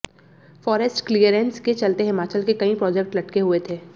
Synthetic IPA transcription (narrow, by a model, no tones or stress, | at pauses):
fɔːɾɛsʈklijəɾɛ̃nsket͡ʃɐlt̪eɦɪmaːt͡ʃəlkekɐĩpɾɔːd͡ʒek̚ʈlɐʈkeɦuet̪ʰeː